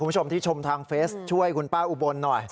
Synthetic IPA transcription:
o˧mt̪ʰiː˥˩t͡ɕʰo˧mt̪ʰaː˧ŋfeː˦˥st͡ɕʰu˥˩əjkʰu˧npaː˥˩ʔu˨˩bo˧nːɔ˨˩j

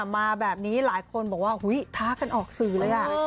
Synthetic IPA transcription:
maː˧bɛː˨˩p̚niː˦˥laː˩˦jkʰo˧nbɔː˨˩k̚waː˥˩hu˨˦˥jt̪ʰaː˦˥ka˧nʔɔː˨˩k̚sɯː˨˩lɤː˧jʔa˨˩

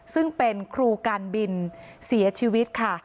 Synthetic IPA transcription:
sɯ˥˩ŋpe˧nkʰɾuː˧kaː˧nbi˧nsi˩˦ɐt͡ɕʰiː˧wi˦˥t̪̚kʰa˥˩

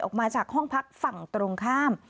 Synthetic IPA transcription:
ʔɔ̰ː˨˩k̚maː˧t͡ɕaː˨˩k̚hɔ˥˩ŋpʰa˦˥k̚fa˨˩ŋt̪ɾoː˧ŋkʰaː˥˩m

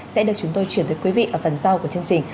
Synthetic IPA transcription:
sɛ̰˧˥ɗɨ˨˩ək̚t͡ɕʊ˨˦ŋ͡mt̪o˧jt͡ɕwi˧˩ənt̪əː˨˦jkwi˨˦vḭ˧ʔəː˧˩fə˨˩nza˧wku˧˩t͡ɕi˧ənt͡ɕï˨˩ŋ̟

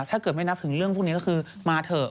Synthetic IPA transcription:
t̪ʰaː˥˩kɤː˨˩t̚ma˥˩jna˦˥t̪ʰɯ˨˩˦ŋɾɯ˥˩əŋpʰu˥˩ŋi˦˥kɔː˥˩kʰɯː˧ | maː˧t̪ʰɤː˨˩

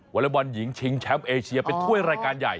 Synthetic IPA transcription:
wa˦˥la˦ba˧nji˩˦ŋt͡ɕʰi˧ŋt͡ɕʰɛ˦˥mʔeː˧t͡ɕʰi˧ɐpe˧nt̪ʰu˥˩əjɾaː˧jkaː˧nja˨˩j

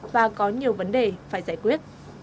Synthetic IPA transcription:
vaː˨˩kɔ˨˦ɲi˨˩əwvə˨˦nɗe˨˩faː˧˩jzaː˧˩jkwi˦˥ət̚

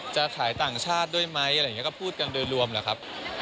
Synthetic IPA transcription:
t͡ɕa˨˩t̪ʰaː˩˦jt̪aː˨˩ŋt͡ɕʰaː˥˩t̪̚du˥˩əjma˦˥jʔŋ˦˥˦kɔ˥˩pʰuː˥˩t̪̚ka˧ndɤː˧nɾu˧əmlaː˨˩kʰa˦˥p̚

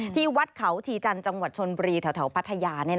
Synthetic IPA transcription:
t̪ʰiː˥˩wa˦˥t̪̚kʰa˩˦wt̪ʰiː˧t͡ɕa˧nt͡ɕa˧ŋwa˨˩t͡ɕʰo˧nbu˧ɾiː˧t̪ʰɛ˨˦wt̪ʰɛ˩˦wpʰa˦˥t̪ʰːa˧jaː˧ni˥˩

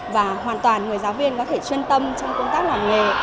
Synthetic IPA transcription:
vaː˨˩ɦwaː˨˩nt̪waː˨˩nŋɨ˨˩əjzaː˨˦wvi˧ənkɔ˨˦t̪ʰe˧˩t͡ɕwi˧nt̪ə˧mt͡ɕɔ˧wŋ͡mkə˧wŋ͡mt̪aː˦˥k̚lwaː˨˩nŋḛ˨

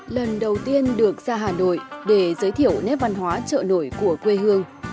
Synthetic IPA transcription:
lə˨˩nɗə˨˩wt̪i˧ənɗɨ˨˩ək̚zaː˧ɦaː˨˩no̰˧˨jɗe˧˩zəː˨˦jt̪ʰi˧˩əwnɛ˦˥p̚va˧nɦwaː˨˦t͡ɕə̰ː˧˨no̰˧˩jku˧˩əkwe˧ɦɨ˧əŋ

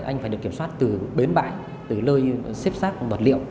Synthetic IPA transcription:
ʔa̰˧jŋ̟faː˧˩ɨ˨˩əkːi˧˩əmswaː˦˥t̚t̪ɨ˨˩ɓe˨˦nɓa̰ː˧˨j | t̪ɨ˨˩ləː˧jsi˦˥p̚saː˦˥k̚və˨˩t̚lḭ˧˨əw

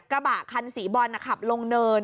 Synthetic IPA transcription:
kɾa˧baː˨˩kʰːa˧nsiː˨˩˦bɔː˧nːa˧˩kʰa˨˩p̚lo˧ŋnɤː˧n

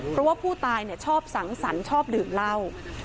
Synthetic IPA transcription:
pʰɾɔ˦˥waː˥˩pʰuː˥˩t̪aː˧jni˥˩ɐt͡ɕʰɔː˥˩p̚sa˩˦ŋsa˩˦nt͡ɕʰɔː˥˩p̚dɯː˨˩mla˥˩w

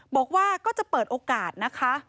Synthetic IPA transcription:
bɔː˨˩k̚waː˥˩kɔː˥˩t͡ɕa˨˩pɤː˨˩t̪̚ʔoː˧kaː˨˩t̪̚na˦˥kʰa˦˥ʔ

